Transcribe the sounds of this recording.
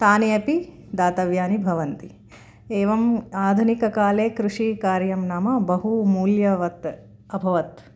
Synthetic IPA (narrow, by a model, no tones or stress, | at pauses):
t̪aːneɐpi | d̪aːt̪ɐʋjaːnibʱɐʋɐnt̪i | eːʋɐmaːd̪ʱunikɐkaːleːkɾuʂikaːɾjɐmnaːmɐbɐɦumuːljɐʋɐt̪ | ɐbʱɐʋɐt̪